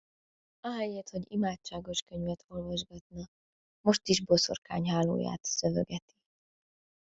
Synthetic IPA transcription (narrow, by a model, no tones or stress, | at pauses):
ɒɦɛjeːt̪ho̞ɟimaːt͡ʃːaːɡo̞ʃkø̞ɲvɛt̪ʰo̞lvɒʒɡɒt̪nɒ | mo̞ʃt̪iʒbo̞so̞̰rkaːɲɦaːlːo̰ːja̰ːt̪søvø̰ɡɛt̪i̥